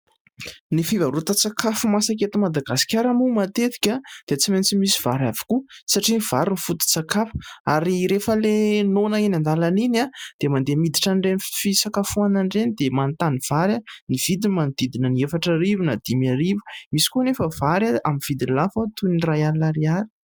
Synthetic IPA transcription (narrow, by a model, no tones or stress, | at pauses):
nifivaɾut̪at͡sakafumasak̬et̪imad̪aɡasi̥kʲaɾamumat̪et̪i̥kʲad̪̥et͡siment͡simisiv̥aɾavi̥kusaʈ͡ʂiniv̥aɾinifut̪u̥t͡sakafu̥aɾiɾefəlenonainand̪alaninad̪̥emand̪emid̪iʈ͡ʂaɳɖ͡ʐenifisakafuanaɳɖ͡ʐenid̪emant̪aniv̥aɾaniv̥id̪imand̪id̪inəniefaʈ͡ʂaɾivunad̪̥imaɾivu̥misi̥konefəv̥aɾaamiv̥id̪inlafat̪unirajalaɾiaɾi̥